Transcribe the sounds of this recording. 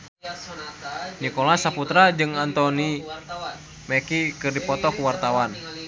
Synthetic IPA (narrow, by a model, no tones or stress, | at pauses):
nikɔlasaput̪ɾad͡ʒɨŋant̪ɔni | mɛkikɨrdipɔt̪ɔkuwart̪awan